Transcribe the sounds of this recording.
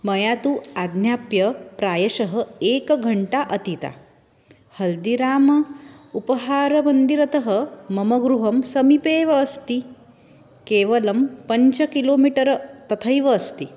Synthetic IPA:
mɐjat̪uad̪njapjɐpɾaːjɐʃɐɦəekɡʱəɳʈaʔət̪it̪a̰ | hɐld̪iɾaːmɐupəɦaːɾɐmɐnd̪iɾɐt̪əɦəmɐmɐɡɾuɦɐmsɐmipeːʋɐːst̪i | keːʋɐlɐmpəɲt͡ɕɐkiloːmiʈəɾt̪ɐt̪ʰəjʋɐːst̪i

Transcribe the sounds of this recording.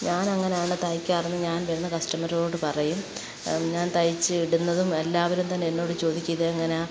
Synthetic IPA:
ɲaːnɐŋːɐneaːɳɨt̪ɐjikʲːaːrɐnːɨɲaːnʋeɾunːɐkɐsʈɐmɐɾo̞ːɽɨpɐrɐjum | ɲaːnt̪ɐjit͡ɕːɨiɽunːɐðume̞lːaːʋɐɾumt̪ɐnːeenːo̞ːɽɨt͡ɕo̞ːd̪ikʲːujɐðeɐŋːɐne

